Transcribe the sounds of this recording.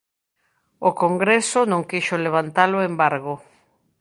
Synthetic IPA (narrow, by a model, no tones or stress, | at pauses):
okoŋɡɾesonõŋkeʃoleβ̞ant̪aloembaɾɣo